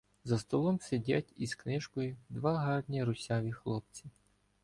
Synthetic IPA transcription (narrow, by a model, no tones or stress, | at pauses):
zɐst̪ɔlˠɔmsʲedʲatʲisknɪʒkɔjʊd̪ʋɑɦɑrnʲiɾʊsʲɑʋʲixlˠɔp̚t͡sʲi